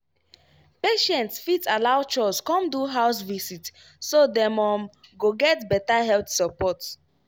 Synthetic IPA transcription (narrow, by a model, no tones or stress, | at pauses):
peʃɛ̃ntsfitalaʊt͡ʃɔskɔ̃mduɦaʊsvisit | sodɛ̃mɔ̃mɡoɡɛtbɛtaɦɛlpθsɔpɔt